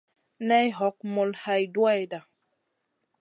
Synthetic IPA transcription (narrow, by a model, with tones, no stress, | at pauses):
nɛ˦jɦɔ˨˦k̚mɔ˨lha˨jdwa˦jda˨